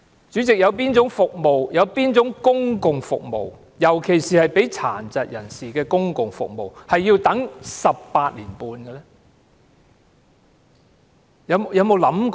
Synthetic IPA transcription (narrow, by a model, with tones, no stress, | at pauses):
t͡ʃy˨˥t͡sɪ˨k̚jɐ˨˧wpiː˥nt͡sʊ˨˥ŋfʊ˨k̚mo˨wjɐ˨˧wpiː˥nt͡sʊ˨˥ŋkʊ˥ŋkʊ˨ŋfʊ̰˨k̚mo̰˨˩w | jɐ˨˩wkʰe˨˩jsiː˨hɐ˨jpe˨˥jt͡sʰa̰ː˨˩nt͡sɐ˨t̚jɐ˨˩nsiː˨kɛː˧kʊ˥ŋkʊ˨ŋfʊ̰˨k̚mo̰˨˩whɐ˨jːiː˧wt̪ɐ˨˥ŋsɐ˨p̚paː˧t̚liː˨˩npuː˧nɡɛ˧lɛ˥ | jɐ˨˧wjɐ˨˧wmo˨˧wlɐ˨˥mk